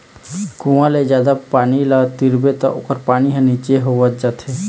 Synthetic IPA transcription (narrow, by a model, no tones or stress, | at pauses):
kuʋãled͡ʒjaːd̪apaːnilat̪iɾbet̪a̰ʔo̰ːkəɾpaːniɦãniːt͡ʃeɦoʋət̪̚d͡ʒat̪ʰe